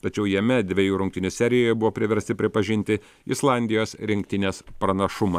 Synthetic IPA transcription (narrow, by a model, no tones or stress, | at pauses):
t̪ɐt͡ʃʲɛʊjɛmʲɛd̪ʲʋʲejuːɾʊŋʲkt̪ʲɪnʲɪsʲæɾʲɪjoːjɛbʊʋoːpʲɾʲɪʋʲɛɾʲst̪ʲɪpʲɾʲɪpɐʒʲɪnʲt̪ʲɪ | ɪslˠɑnʲd̪ʲɪjoːsɾʲɪŋʲk̚t̪ʲɪnʲeːspɾɐnɐʃʊmɐ